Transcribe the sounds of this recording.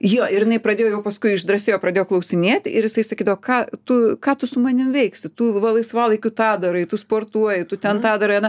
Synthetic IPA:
joːɪɾjɪnɐɪpɾɐd̪ʲeːjojɛʊpɐskʊɪɪʒd̪rɐsʲeːjoːprɐd̪ʲeːjoːklˠɐʊsʲɪnʲeːt̪ʲɪɾjɪsɐɪsɐkʲiːd̪ɐʋokɑːt̪ʊkɑːt̪ʊsʊmɐnʲɪmʋʲɛɪksʲɪt̪uːʋɐlˠɐɪsʋɑːlˠɐɪkʲʊt̪ɑːd̪ɐɾɐɪt̪ʊspoːrt̪uɔjɪt̪ʊt̪ʲɛnt̪ɑːd̪ɐɾɐɪɐnɐ

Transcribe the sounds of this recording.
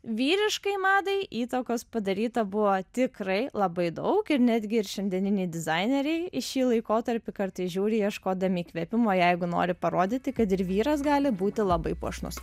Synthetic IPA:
ʋʲiːɾʲɪʃkɐɪmɑːd̪ɐɪʔiːt̪oːkoːspɐd̪ɐɾʲiːt̪ɐbʊʋoːt̪ʲɪkɾɐɪlˠɐbɐɪd̪ɐʊkɪɾnʲæːd̪ʲɡʲɪɪɾʃʲɛnʲd̪ʲiɛnʲɪnʲɛɪd̪ʲɪzɐɪnʲɛɾʲɛɪɪʃʲiːlˠɐɪkoːt̪ɐɾʲpʲɪkɐɾt̪ɐɪsʒʲuːɾʲɪjiɛʃkoːd̪ɐmʲiːkʋʲɛpʲɪmoːjɛɪɡʊno̰ːɾʲɪpɐɾoːd̪ʲɪt̪ʲɪkɐt̪ɪɾʋʲiːɾɐsɡɑːlʲɪbuːt̪ʲɪlˠɐbɐɪpṵɔʃnʊ̰s

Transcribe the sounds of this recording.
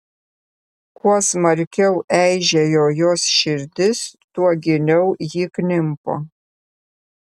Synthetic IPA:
kuɔsmɐɾʲkʲɛʊʔɛɪʒʲɛjoːjoːsʃʲɪɾʲd̪ʲɪst̪uɔɡʲɪnʲɛʊjiːknʲɪmpo̰ː

